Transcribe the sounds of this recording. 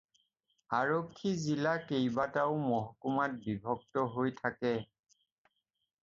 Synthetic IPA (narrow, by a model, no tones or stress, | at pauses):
aɹokʰːizilakejbataʊmɔɦɔkumat̚bibʱɔk̚tɔɦojtʰakɛ